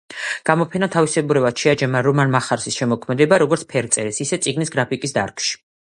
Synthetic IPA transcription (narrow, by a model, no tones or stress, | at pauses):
ɡ̥amɔpʰɛnat̪ʰavisɛbuɾɛvad̪ʃɛad͡ʒɛmaɾɔmanmaχaɾsisʃɛmɔkʰmɛd̪ɛbaɾɔɡɔɾt̪sʰpʰɛɾt̪sʼɛɾɛsisɛt̪sʼiɡnisɡɾapʰikʼisd̪aɾkʼʃi̥